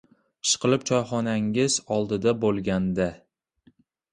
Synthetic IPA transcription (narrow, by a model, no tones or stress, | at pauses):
ʃʰqɨlɪp̚t͡ʃʰɒjχɒnaŋɪzɒlˠd̪ɪd̪abolˠɡʲand̪a